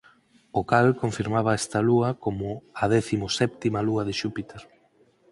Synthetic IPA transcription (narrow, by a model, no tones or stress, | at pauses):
okalkoɱfiɾmaβ̞ɐɛst̪ɐluɐkomʊɐð̞ɛθimʊsɛp̚t̪imɐluɐðɪʃupit̪eɾ